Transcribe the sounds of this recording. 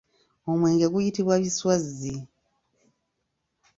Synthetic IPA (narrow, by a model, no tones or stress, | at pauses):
o̞mwe̞ːŋɡe̞ɡujitiβwaβiswazi